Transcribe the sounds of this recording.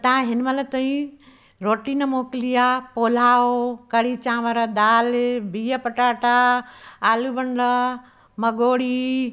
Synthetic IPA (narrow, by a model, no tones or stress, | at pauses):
t̪ɐãɦɪnmɐlɐt̪õĩ | ɾoːʈiːnɐmoːkɪlijapoːl̤aːokɐɽiːt͡ɕãːʋəɾɐd̪aːlbiːjɐpɐʈaːʈaaːlubɐɳɖə | mɐɡoːɽiː